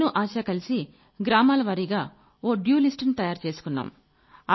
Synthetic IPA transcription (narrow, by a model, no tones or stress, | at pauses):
nuʔaːʃɐkɐlisi | ɡɾaːmaːlɐʋɐɾiɡaː | oːɖjuːlisʈɐnit̪ɐjaːɾt͡ʃe̞ːsu̥kunːa̰ːm | ɐ